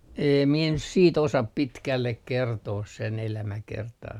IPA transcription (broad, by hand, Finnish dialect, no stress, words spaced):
eːm mie nyt siːt osɑp pitkælːek kertoːs sen elæmækertɑː